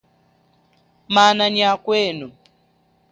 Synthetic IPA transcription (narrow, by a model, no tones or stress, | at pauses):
mananiakweːnu